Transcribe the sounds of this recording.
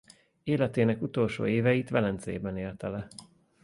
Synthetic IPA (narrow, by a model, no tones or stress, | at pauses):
eːlɛt̪eːnɛkut̪o̞lʃo̰ːeːvɛjit̪ʋɛlɛnt̪zḛːbɛneːlt̪ɛlɛ